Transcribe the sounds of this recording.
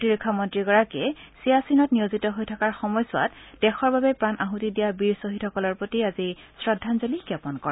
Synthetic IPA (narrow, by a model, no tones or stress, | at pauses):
tiɹikʰːamɔntɹiɡɔɹakɛsijasinɔtnijozitɔɦojtʰakaɹxɔmɔjsʊwa̰td̥ɛxɔɹbabɛpɹanʔaɦutidijabiɹsoɦitʰhɔkɔlɔɹpotiazi | sɹɔdʱːanzolikapɔnkɔɹ